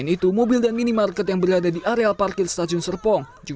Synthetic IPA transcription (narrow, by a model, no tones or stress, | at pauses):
nit̪umobɪldanminimarkɛt̪̬jaŋbəɾadadiʔaɾealparkɪrst̪ad͡ʒʊnsərpɔŋ | d͡ʒu